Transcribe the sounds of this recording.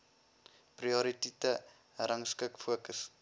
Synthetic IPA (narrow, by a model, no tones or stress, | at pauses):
priɔɾititə | ɾɐŋskəkfuəkəs